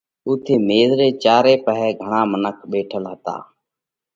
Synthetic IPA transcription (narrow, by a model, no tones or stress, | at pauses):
ʊt̪ʰːeːmeːzɾeːt͡ʃaːɾeːpəɦɛːɡʱəɳ̃ãːmənəkʰɓeːʈʰəlɦət̪a̰ː